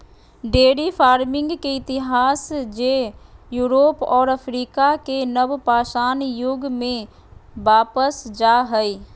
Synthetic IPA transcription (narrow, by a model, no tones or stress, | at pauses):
ɖeːɽifʰaːɾmɪ̃ŋɡkeɪt̪ɪɦaːsd͡ʒeːjuːɾoːpɔːɾəfɾiːkakenəbpaːʃaːnjʊɡmẽ | ʋaːpəsd͡ʒaːɦɛi